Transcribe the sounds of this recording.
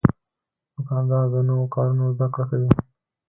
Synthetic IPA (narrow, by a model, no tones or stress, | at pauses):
bʊkɑnd̪ɑd̪ənowokɑɾunozd̪akɽakawi